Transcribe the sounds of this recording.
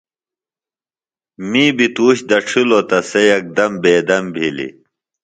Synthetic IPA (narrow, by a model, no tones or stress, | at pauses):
miːbit̪uːɕd̪ɐʈ͡ʂʰulot̪ɐsejɐk̚d̪ɐmbeːd̪ɐmbʱilḭ